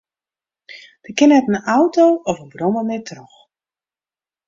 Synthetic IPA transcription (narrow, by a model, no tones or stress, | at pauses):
d̥əkɪnɛtnəawtowɔfənbrɔməmɪtrɔx